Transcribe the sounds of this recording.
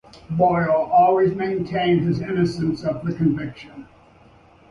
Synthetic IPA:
bɔɪl̩ˠʔɔlˠwizmẽɪ̃ntʰẽɪ̃nd̚ɨzɪ̃nɨsɨ̃nsʌvðɨkɨ̃ɱvɪkʃɨ̃n

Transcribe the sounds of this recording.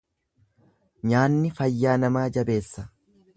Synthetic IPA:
ɲaːnːɪfɐjːaːnɐmaːd͡ʒɐbe̞ːsːɐ̥

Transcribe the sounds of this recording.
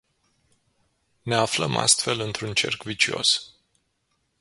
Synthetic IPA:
ne̞afləma̰st̪fe̞lɨnt̪ɾunt͡ʃe̞rkvit͡ʃio̞̰s

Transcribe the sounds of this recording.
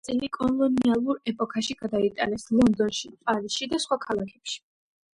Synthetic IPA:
t̪sʼilikʼɔlˠɔnialˠuɾɛpʼɔkʰaʃiɡ̥ad̪ait̪ʼanɛslˠɔnd̪ɔnʃipʼaɾisʃid̪asχwakʰalˠakʰɛpʃi̥

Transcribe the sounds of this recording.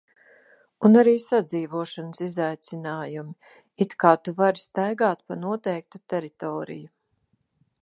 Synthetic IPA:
unaɾiːsad̪ziːvuɔʃanəsizajt̪sinaːjumi | it̪kaːt̪uvaɾst̪ajɡaːt̪̚panuɔt̪ɛjk̚t̪ut̪ɛɾit̪ɔːɾḭju

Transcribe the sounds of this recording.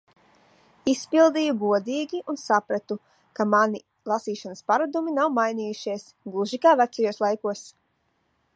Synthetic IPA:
ispilˠd̪iːjuɡuɔd̪iːɡʲiunsapɾat̪u | kamani | lˠasiːʃanəspaɾad̪uminawmajniːjuʃiɛs | ɡlˠuʒikaːvæt̪sajuɔslˠajkuɔs

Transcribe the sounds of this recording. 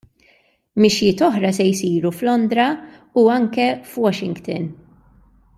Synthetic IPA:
mɪʃjɪːt̪ɔħɾɐsɛjsiːɾuflɔnd̪ɾɐ | uɐŋkɛfwɔʃɪŋɡt̪ɪ̰n

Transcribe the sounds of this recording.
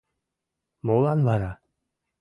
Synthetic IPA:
molanvaɾa

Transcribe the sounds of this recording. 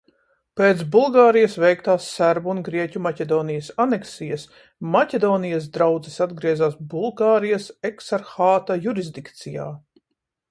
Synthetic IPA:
peːt̪sbulˠɡaːɾijɐsvɛjkt̪aːsːæɾbuuːnɡɾiɛcʲumacʲɛd̪ɔːnijɐsanɛksijɐs | macʲed̪ɔːnijɐsd̪ɾawd̪zisad̪ɡɾiɛzaːs̬bulˠɡaːɾijasɛksaɾxaːt̪ajuɾizd̪ikt̪sija̰ː

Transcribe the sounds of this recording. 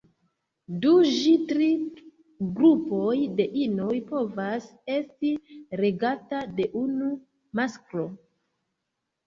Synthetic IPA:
duʒitɾi | ɡɾupo̞jde̞ʔinojpo̞vase̞stiɾe̞ɡatade̞ʔunu | maskɾo̞

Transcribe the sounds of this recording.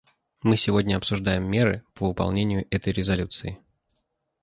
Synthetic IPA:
mɨsʲɪvo̞dʲnʲəɐpsʊʐd̪ajɪmːʲe̞ɾɨ̰pəɨpɐ̰lˠnʲenʲɪjʊʔɛt̪əjɾʲɪzɐlʲut̪sɨɪ

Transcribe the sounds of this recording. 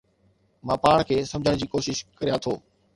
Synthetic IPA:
mãːpaːɽ̃kʰeːsɐ̃md͡ʑʱəɽ̃d͡ʑiːkoːʃɪʃkɐɾijat̪ʰoː

